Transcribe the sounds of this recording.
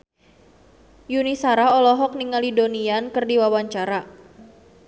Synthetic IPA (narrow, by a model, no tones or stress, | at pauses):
junisaɾaɔlɔɦɔk̚niŋalidoniankərdiwawaɲt͡ʃaɾa